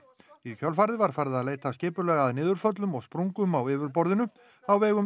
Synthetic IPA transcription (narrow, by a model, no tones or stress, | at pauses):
icʰœlfaɾðɪvaɾ̥fajɾðaðleːjt̪ascɪːpʏlɛːɣaðnɪːðʏɾ̥fœt̪lʏmɔɣspɾuŋkʏmawɪːvʏɾpɔɾðɪnʏ | awvɛːɣʏ